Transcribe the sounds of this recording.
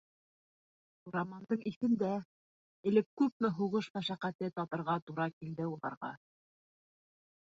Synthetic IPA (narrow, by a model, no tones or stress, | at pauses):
uɾɑmɑnd̪ɤɴiθɘ̆nd̪æ | ɘ̆lɘp̚kʉp̚mɘɦuʁɤʃmæʃæqæt̪ɘt̪ɑp̪ɤ̆ɾʁɑt̪uɾɑkild̪ɘulˠɑ̰ɾʁɑ̰